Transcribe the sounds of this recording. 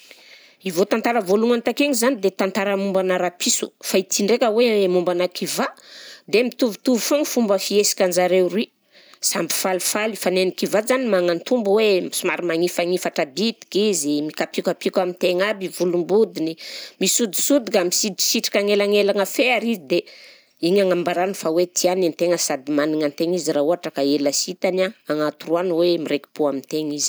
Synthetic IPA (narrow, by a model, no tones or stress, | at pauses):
ivot̪ant̪aɾəvoluŋant̪akeŋizanid̪et̪ant̪aɾəmumbanaɾapisu̥̰fait̪iɳɖ͡ʐekʲəwemumbanakʰivad̪emit̪uvut̪uvifoŋifumbəfiesi̥kʲand͡ʒaɾerwi | sambi̥falufalifanenikivazanimaŋant̪umbwemisumaɾimaŋifaŋifaʈ͡ʂab̪it̪i̥kizimikapikapikamint̪eŋabivulumbud̪inimisud̪i̥sud̪ikamisiʈ͡ʂi̥siʈ͡ʂi̥kʲaŋelaŋelaŋəfeaɾizid̪e | iɲaŋambaɾanifawet̪ʰianant̪eŋəsad̪imaniŋant̪eŋiziɾauaʈ͡ʂakaelasit̪anaaŋat̪uruanwemiɾeki̥puamint̪eŋizi̥